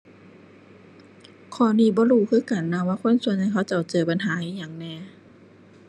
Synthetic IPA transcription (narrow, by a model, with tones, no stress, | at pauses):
kʰɔː˧˩˦niː˧˩˨bɔː˧˦ɾuː˧˩˨kʰɯː˧˥˨ka˨nːa˧˨waː˧˨kʰo˧˥˨nsu˧˨nɲa˧˩jkʰa˧˥˩wt͡ɕa˧˩wt͡ɕɤː˨˩pa˨nɦaː˨˦ʔiː˧˨jaː˨˩ŋnɛː˧˩˨